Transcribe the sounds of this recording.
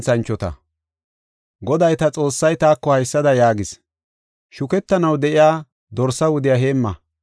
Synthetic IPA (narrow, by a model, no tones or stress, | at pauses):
t͡sɐnt͡ʃːɔt̪ɐ̰ | ɡɔd̪ɐjt̪ɐt͡sʼo̞ːsːɐjt̪aːkːɔhɐjsːɐd̪ɐjaːɡɪs | ʃʊkɛt̪ːɐnɐwd̪ɛʔɪjaː | d̪ɔɾsːɐwʊd̪ɪjaɦe̞ːmːɐ